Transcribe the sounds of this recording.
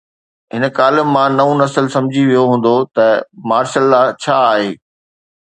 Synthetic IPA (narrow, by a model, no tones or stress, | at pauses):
ɦɪnkaːlɪːãnɐũnɐsəlsɐ̃md͡ʑʱiʋijoɦũːn̆d̪ot̪ɐmaːɾʃəlːat͡ɕʰaːɦeː